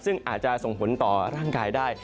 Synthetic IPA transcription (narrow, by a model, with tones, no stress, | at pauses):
sɯ˥˩ŋʔaː˨˩t̪̚t͡ɕa˨˩so˨˩ŋpʰo˩˦nt̪ɔː˨˩ɾaː˥˩ŋkaː˧jdaː˥˩j